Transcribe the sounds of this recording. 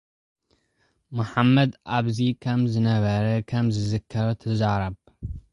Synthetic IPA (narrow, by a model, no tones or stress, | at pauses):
mɐħamːɐd̪ʔaβzikʰɐmzɨnɐβɐɾɐkʰɐmzɨzɨkʰːɐɾɐt̪ʰɐzaɾɐβ